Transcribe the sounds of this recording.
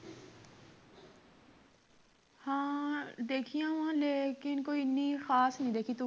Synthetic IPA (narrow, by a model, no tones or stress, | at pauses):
hãːd̪eːkʰijãːʋãːleːkɪnkoːiɪnːixaːsnəĩd̪eːkʰit̪u